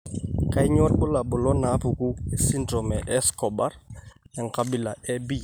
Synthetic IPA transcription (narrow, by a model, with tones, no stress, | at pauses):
ka˦ɪ˦ɲɔ˦tbʊ˦la˨bʊ˨lɔ˦na˨˦pu˨ku˦e˦si˦ndrɔ˨mɛ˨ʔɛ˦skɔ˨ba˦rɛ˨ŋ̩˨kabi˨la˨ɛ˦bi˦